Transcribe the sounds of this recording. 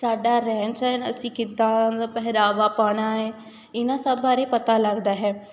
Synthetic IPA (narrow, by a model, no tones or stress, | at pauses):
saːɖaːɾɛːnsɛːnə̰sĩːkɪt̪ːaːpɛɦɾaːʋaːpaːɽ̃aːɛː | ɪnãːsəbːaːɾeːpət̪aːləɡd̪aːɦɛː